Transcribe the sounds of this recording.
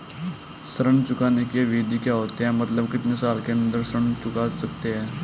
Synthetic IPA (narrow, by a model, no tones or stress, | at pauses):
sɾəɳt͡ɕukanekjeʋed̪ʱiːkjaɦot̪jamət̪ləbkit̪nesalkenənd̪əɾsɾəɳt͡ɕukasəkt̪eɛ